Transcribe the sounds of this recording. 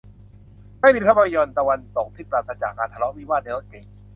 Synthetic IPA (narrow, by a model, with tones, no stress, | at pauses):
maː˥˩jdi˧kʰa˥˩ba˧ɾi˧jɔ˧nt̪a˧wa˧nt̪o˨˩k̚t̪ʰiː˦˥˩pɾaː˧t̪̚sa˧t͡ɕa̰˨˩k̚ʔaː˧t̪ʰa˧lɔ˦˥miː˦˥˩waː˥˩ne˧lɔ˦˥ke˨˧